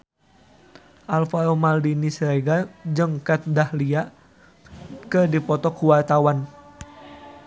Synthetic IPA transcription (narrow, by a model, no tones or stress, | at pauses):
ʔalfaɾomaldinisɾeɡad͡ʒəŋkat̪̚dahlia | kɨrdipɔt̪ɔkuwart̪awan